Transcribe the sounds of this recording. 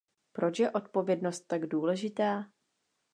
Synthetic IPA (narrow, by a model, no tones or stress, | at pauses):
pɾo̞t͡ʃjɛʔo̞t̪̚po̞vjɛdno̞st̪ːaɡduːlɛʒɪt̪aː